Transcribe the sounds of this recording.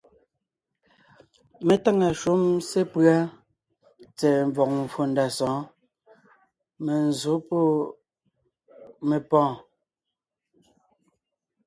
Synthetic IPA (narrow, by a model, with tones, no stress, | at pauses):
me˨ta˦˨ŋa˨ʃu˦mse˦pɰa˦ | t͡sɛ˨ɱ˨vɔ˨k̚m˨fo˨nda˨sɔ̃ː˨˦ | me˨n˨zo˨˦po˦˨ | me˨pɔ̃ː˦˨